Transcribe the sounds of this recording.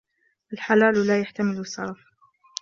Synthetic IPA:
ʔalħalaːllaːjaħt̪amɪlsˤːɑ̰ɾˤɑf

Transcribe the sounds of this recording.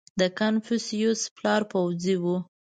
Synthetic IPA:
d̪əkanfusijusplɑɾpawziwu

